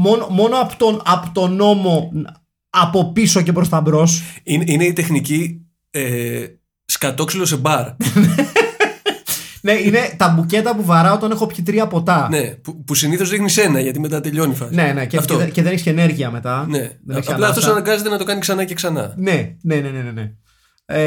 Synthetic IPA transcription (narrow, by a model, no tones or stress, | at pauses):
mo̞nomo̞no̞ɐpo̥t̪oɐpot̪o̞no̞mo̞ | ɐpo̞piso̞ce̞pɾost̪ɐmbɾo̞sinine̞it̪exnici | e | skɐt̪o̞ksilose̞bɐɾne | ne̞ine̞t̪ɐbuce̞t̪ɐpuvɐɾɐo̞t̪ɐne̞xo̞pçit̪̬ɾiɐpo̞t̪ɐnepupusiniθo̞zðixnise̞nɐʝɐt̪ime̞t̪ɐt̪e̞ʎo̞nifɐne̞ne̞ceft̪oceðe̞neçscene̞ɾʝiɐme̞t̪ɐneðneçsɐɐplɐft̪osɐnɐɡɐze̞t̪enɐt̪o̞kɐniksɐnɐceksɐnɐ̰ne̞ne̞ne̞ne̞nene̞